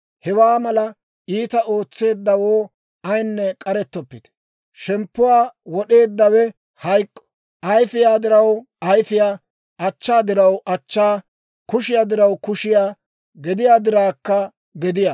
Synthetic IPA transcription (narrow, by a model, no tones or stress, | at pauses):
hɛwaːmɐlɐ | iːt̪ɐʔo̞ːt͡sːe̞ːd̪ːɐwoː | ɐjnːɛkʼɐɾɛt̪ːɔpːɪt̪ɛ̥ | ʃɛmpːʊwaːwɔɗe̞ːd̪ːɐwɛ | hɐjkʼːɔ̥ | ʔɐjfɪjaːd̪ɪɾɐw | ɐjfɪjaː | ɐt͡ʃːaːd̪ɪɾɐwʔɐt͡ʃːaː | kʊʃɪjaːd̪ɪɾɐwkʊʃɪjaː | ɡɛd̪ɪjaːd̪ɪɾaːkːɐ | ɡɛd̪ɪja